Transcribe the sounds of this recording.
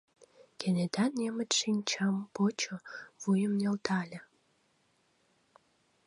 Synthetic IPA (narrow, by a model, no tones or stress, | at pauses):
kʲened̪ɑnːemə̆t̪ʂinʲt͡ɕɑmpot͡ɕŏvujə̆mnelt̪ʰɑlʲə̆